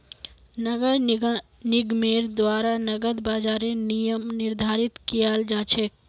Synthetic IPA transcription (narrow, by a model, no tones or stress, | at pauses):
nəɡəɾ | nɪɡmeːɾd̪waːɾanɐɡəd̪baːd͡ʒaːɾẽnijəmnɪɾd̪ʱaːɾɪt̪kijaːld͡ʒaːt͡ʃʰeːk̚